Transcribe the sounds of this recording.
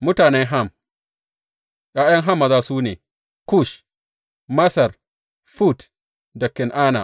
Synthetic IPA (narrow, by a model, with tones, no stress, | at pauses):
mʊ˦taː˨nɛ˦ŋɦa˦˨m | ʔaː˦jɐ˦ŋɦa˦mːa˨zaː˦suː˦neː˨ | ku˦˨ʃ | mɐ˦sɐ˨r | fu˦˨t | dɐ˨kːɪ˨nʔaː˦na̰˨